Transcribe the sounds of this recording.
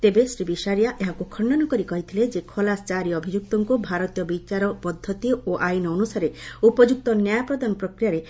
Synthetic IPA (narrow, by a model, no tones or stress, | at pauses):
t̪ebesɾibiʃaɾijaʔeɦakukʰɔɳɖanɔkɔɾikɔɦit̪ʰiled͡ʒekʰɔlast͡ʃaɾiɔbʱid͡ʒuk̚t̪ɔŋkubʱaɾɔt̪ijɔbit͡ʃaɾɔpɔd̪ʱːɔt̪ioʔajnɔːnusaɾeupɔd͡ʒuk̚t̪ɔnjajapɾɔd̪anɔpɾɔkɾijaɾe